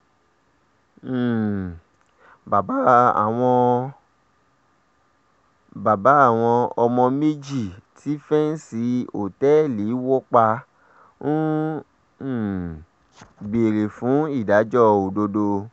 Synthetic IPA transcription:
ba˨ba˦a̰˨w̃ɔ̃˧ | ba˨ba˨˦a˦˨w̃ɔ̃˧ɔ˧mɔ̃˧me˦d͡ʒi˦˨tʰi˨˦fɛ˦n̩˦si˧o˨tɛ˦li˨˦wɔ˦k͡pa˧ | n̩˦˨ | ɡ͡be˨ɾe˨fũ˨˦i˦˨da˨˦d͡ʒɔ˦o˨do˧do˧

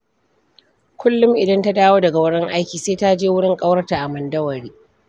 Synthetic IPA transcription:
kʷʰʊ˦lːʊ˦mʔɪ˨dɐ˦nta˦daː˦woː˦dɐ˨ɡa˨wɐ˦ɽɪ˦ŋʔa˦jkʲiː˨seː˦ta˦d͡ʒeː˦wʊ˦ɽɪ˦ŋkʼɐ˦wɐ˦rta˨ʔa˨mɐ˨ndɐ˦wɐ˨ɽiː˦

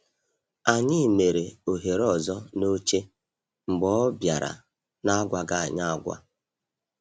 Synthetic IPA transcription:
a˨ɲɪ˦˨me˨ɾe˨o˨ɦe˨ɾɔ˨zɔ˦no˦t͡ʃe˦ | ŋ͡m̩˨ɡ͡bɔ˦bja˨ɾa̰˨ | na˦ɡʷa˨ɡa˦a˨ɲa˦a˦ɡʷa̰˦

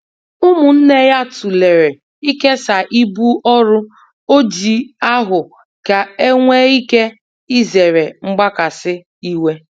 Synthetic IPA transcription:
ʊ˦mʊ˨n̩˦ne˦ja˦tu˨le˨ɾe˨ | i˦ke˦sa˨ʔi˦bu˦ɔ˦ɾʊ˦ | o˦d͡ʒi˨a˦ɦʊ˨ | ka˨e˦ŋʷe˦i˦ke˦ | i˦ze˨ɾe˨ŋ͡m̩˦ɡ͡ba˦ka˨sɪ˦ | i˦we˦

